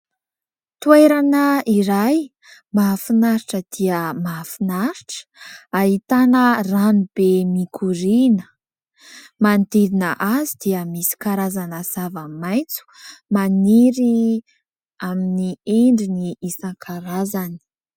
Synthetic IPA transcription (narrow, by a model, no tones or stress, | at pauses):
t̪uejɾanəiɾaj | mafinaɾiʈ͡ʂəd̪̥iəmafinaɾiʈ͡ʂə̥aɦit̪anəranub̥emikʰuɾinə̥ | mand̪iɾinəʔazid̪̥iəmisi̥kaɾazanəz̥avamajt͡su̥maniɾi | aminieɳɖ͡ʐiniisaŋkʰaɾazani̥